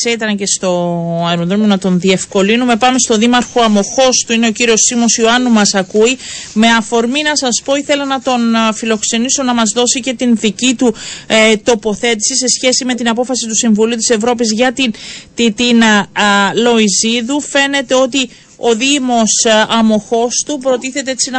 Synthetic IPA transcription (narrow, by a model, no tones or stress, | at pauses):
seit̪ɐnce̞st̪o̞eɾond̪ɾomionɐt̪o̞nðie̞fko̞linume̞pɐme̞st̪o̞ðimɐɾxoɐmo̞xo̞st̪uine̞ociɾio̞simo̞sioɐnumɐsɐkuime̞ɐfo̞ɾminɐsɐspo̞iθe̞lɐnɐt̪o̞nfilo̞kse̞niso̞nɐmɐzðo̞sice̞t̪inðicit̪ut̪o̞po̞θe̞t̪i̥sise̞sçe̞sime̞t̪inɐpo̞fɐsit̪usiɱvuliut̪i̥se̞vɾo̞pizʝɐt̪int̪it̪inɐlo̞iziðufe̞ne̞t̪e̞o̞t̪i | o̞ðimo̞sɐmo̞xo̞st̪upɾo̞t̪iθe̞t̪e̞et͡sinɐ